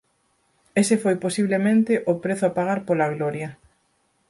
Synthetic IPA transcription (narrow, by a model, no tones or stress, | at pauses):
esɪfojposiβlemẽnt̪ɪʔopɾeθʊapaɣ̞aɾpolaɣlɔɾjɐ